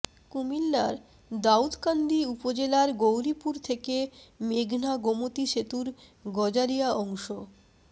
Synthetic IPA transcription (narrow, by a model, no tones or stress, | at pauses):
kumilːaɾ | d̪aud̪kand̪iupod͡ʑelaɾɡowɾipuɾt̪ʰekemeɡʱnaɡomot̪iʃet̪uɾ | ɡɔd͡ʑaɾijaɔŋʃo